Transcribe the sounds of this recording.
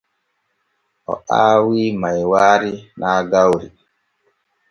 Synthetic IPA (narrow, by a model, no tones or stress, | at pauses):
ʔɔ̰aːwiːmajwaːɾinaːɡawɾi